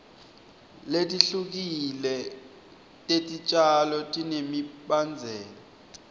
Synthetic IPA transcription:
letʼiɬuk̬ilɛ | tʼetʼit͡ʃʼalɔtʼinemiɓand͡zʱɛːlɔ

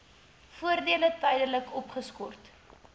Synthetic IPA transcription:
fuərdiələtəjdənləkɔpχəskɔrt

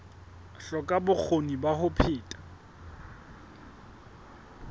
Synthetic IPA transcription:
ɬɔkʼabʊk͡xʰonibahʊpʰɪːtʼḁ

